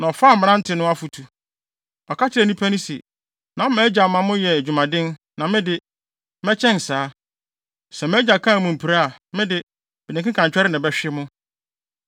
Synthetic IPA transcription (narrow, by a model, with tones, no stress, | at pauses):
nã˨ɔ˨faː˦˨mɪ̃˨˦nã˦n̩˦tʰɪ˨nʊ̃˦a˦fu˨tʰu˨ | ɔ˨kʰa˦t͡ɕʰɪ˨ɾɛ˨nĩ˦pʰa˦nɪ̃˦sḭ˨ | nã˨˦mɛː˦d͡ʑa˨mã˨mʊ̃˦jɛ˨d͡ʑᶣu˨mã˨dɪ̃˦n | nã˨mɪ̃˦dɪ˦ | mɛ˦t͡ɕʰɛ̃˦n˨saː˨˦ | sɛ˨mɛ˦d͡ʑa˨kʰã˦˨mʊ̃˨m̩˨pʰi˨ɾa˦a˨mɪ̃˦dɪ˦ | bɪ˨nɪ̃˨kɪ̃˦kʰã˨ɲt͡ɕᶣɛ˦ɾɪ˦nɪ̃˨bɛ˦ɕᶣɪɪ˦mʊ̃˦